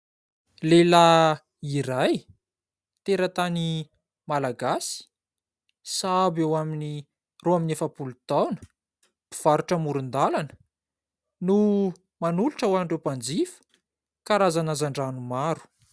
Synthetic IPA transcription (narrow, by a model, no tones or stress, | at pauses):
lela | iɾaj | t̪eɾət̪ani | malaɡasi̥ | sabewamini | roaminefəpulut̪awnə̥ | pi̥v̥aɾuʈ͡ʂəmuɾund̪alanə̥ | nu | manuluʈ͡ʂawaɳɖ͡ʐewpand͡zifə̥ | kaɾazanazaɳɖ͡ʐanumaɾu̥